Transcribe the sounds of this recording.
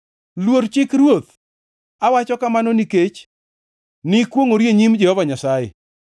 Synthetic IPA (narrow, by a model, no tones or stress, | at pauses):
lwoɾt͡ʃɪkɾwot̪ | awat͡ʃɔkamanoniket͡ʃ | nɪkwoŋoɾjeɲimd͡ʒɛhɔvaɲasajḛ